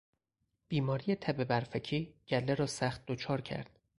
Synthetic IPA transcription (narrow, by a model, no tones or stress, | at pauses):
b̥iːmɒːɾijet̪ʰæbebæɾfæcʰiːɟ̥ælːeɾɒːsæxt̪̚d̪ot͡ʃʰɒːɾcʰæ̰ɾd̪̥